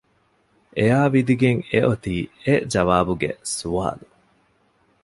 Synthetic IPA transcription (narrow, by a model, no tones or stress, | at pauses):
ʔejaːʋid̪iɡeŋeʔot̪iːed͡ʒɐʋaːbuɡḛsua̰ːlu